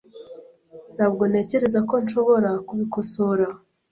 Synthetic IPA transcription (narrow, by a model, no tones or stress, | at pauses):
nabɡo̞ne̞ːce̞ɾe̞zako̞nʃo̞βo̞ɾakuβiko̞soɾa